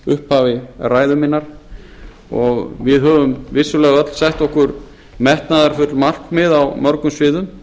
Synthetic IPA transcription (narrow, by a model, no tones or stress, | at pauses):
ʏhphaːvɪraːjðʏminːaɾ̥ | ɔɣvɪðɦœːvʏmvɪsːʏlɛːɣœt̪l̥sɛht̪ɔhkʏɾ | mɛht̪naðaɾ̥fʏt̪lmal̥kmɪðawmœɾkʏmsvɪːðʏm